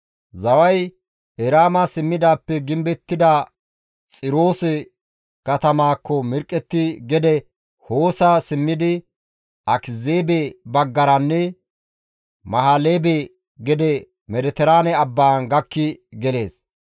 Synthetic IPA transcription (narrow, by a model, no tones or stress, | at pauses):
zɐwɐj | ʔɛɾaːmɐsɪmːɪd̪aːpːɛɡɪmbɛt̪ːɪd̪a | t͡sʼɪɾo̞ːsɛ | kɐt̪ɐmaːkːɔmɪɾkʼːɛt̪ːɪɡɛd̪ɛ | hoːsasɪmːɪd̪ɪ | ʔɐkɪzeːbebɐɡːɐɾɐnːɛ | mɐhaleːbe | ɡɛd̪ɛ | mɛd̪ɛt̪ɛɾaːnɛɐbːaːnɡɐkːɪɡɛle̞ːs